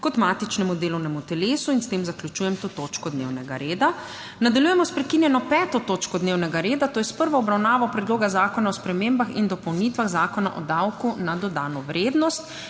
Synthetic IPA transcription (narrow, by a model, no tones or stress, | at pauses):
kɔt̪maːt̪it͡ʃnɛmud̪eːlɔwnɛmut̪ɛleːsuinst̪emzaklʲut͡ʃuːjɛmt̪oːt̪oːt͡ʃkɔd̪nḛːwnɛɡa̰ɾeːd̪a | nad̪aljuːjɛmɔspɾɛkinjɛnɔpɛːt̪ɔt̪oːt͡ʃkɔd̪neːwnɛɡaɾeːd̪at̪oːjɛspəɾʋɔɔbɾawnaːʋɔpɾɛd̪loːɡazaːkɔnaɔspɾɛmeːmbaxind̪ɔpɔwnit̪ʋaɣzaːkɔna̰ʔɔd̪awkunad̪ɔd̪aːnɔʋɾeːd̪nɔst̪